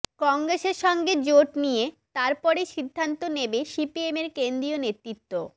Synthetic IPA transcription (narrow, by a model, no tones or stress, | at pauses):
kɔŋɡɾeʃeɾʃɔŋɡed͡ʑoʈnijet̪aɾpɔɾejʃid̪ʱːant̪onebeʃipiemeɾkend̪ɾionet̪ɾit̪ːo